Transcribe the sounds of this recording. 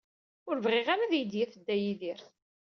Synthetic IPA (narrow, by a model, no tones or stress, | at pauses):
ʊɾvʁɪʁaɾaðjəd̪jæfəd̪ːæjiðiɾθ